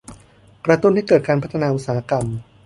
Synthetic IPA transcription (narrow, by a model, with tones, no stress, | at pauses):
kɾa˧t̪u˥˨nha˥˩kɤː˨˩kaː˧npʰa˦˥t̪ʰa˧naː˧ʔu˨˩t̚saː˧˩a˦˥ka˧m